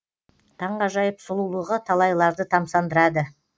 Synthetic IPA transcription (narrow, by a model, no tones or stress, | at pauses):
t̪ʰɑɴʁɑʒɑjəpsʊlˠulˠəʁət̪ʰɑlˠɑjlˠɑɾd̪ət̪ʰɑmsɑnd̪əɾɑd̪ə